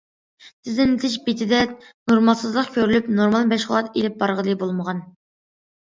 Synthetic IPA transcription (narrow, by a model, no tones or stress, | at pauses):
sʰɪznɪnt̪ʰɪʃbet̪ʰɪd̪ɛnoɾmɑlˠsɨzlˠəqkʲʰøɾylypnoɾmɑlˠmɛʃχʊlˠɑt̪elɪp̚bɑɾʁəd̪ɨbolˠməʁɑn